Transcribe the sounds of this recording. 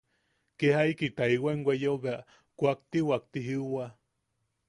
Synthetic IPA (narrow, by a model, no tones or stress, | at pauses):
kehaikit̪aiweŋɡwejoβeaʔ | kʷak̚t̪iwak̚t̪iɦiwa